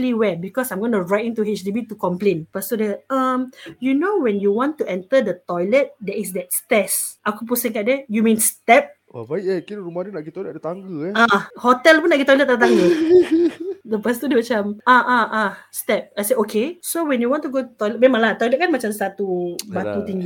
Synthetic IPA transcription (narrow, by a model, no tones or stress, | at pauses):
liwɛbikɔsãjmɡɔnuɹajt̚ĩntuɦit͡ʃdibitukɔ̃mplẽnpəst̪udɛamjunowɛ̃njuwɔ̃ntuɛ̃ntədət̪ɔjlət̚dɛisdɛt̚stɛsʔakupusĩŋkat̚dɛjumĩnstɛp̚ | ə̰vaiɛkinɾumadinaʔɡit̪ɔjlət̚ət̪aŋɡəɛahotɛlpũnaʔɡit̪ɔjlət̚ːat̪ãŋɡə | dəpəst̪udəmat͡ʃãmʔaʔaʔastɛp̚ajseʔokʰesowɛ̃njuwɔ̃ntuɡotut̪ɔjlɛt̚mẽmãŋlat̪ɔjlɛt̚kanmat͡ʃãmsat̪ubat̪ut̪ĩŋɡi